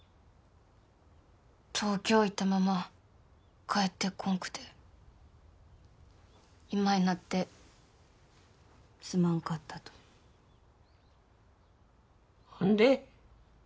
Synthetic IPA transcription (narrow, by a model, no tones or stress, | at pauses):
t̪ʰo̞ːkʲo̞ːit̪ːamama | kʰaet̪ːe̞kʰõ̞ŋkɯ̟̥t̪e̞ | imainat̪ːe̞ | sɨmãŋkat̪ːat̪o̥ | ãnd̪e